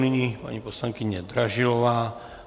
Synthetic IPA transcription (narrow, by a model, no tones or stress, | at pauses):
niɲipa̰ɲipɔslaŋkiɲɛd̪ɾaʒilɔʋaː